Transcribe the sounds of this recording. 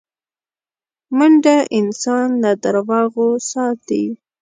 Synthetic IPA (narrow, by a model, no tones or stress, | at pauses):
məɳɖaʔɪnsɑnlad̪aɾwɑɣosɑt̪i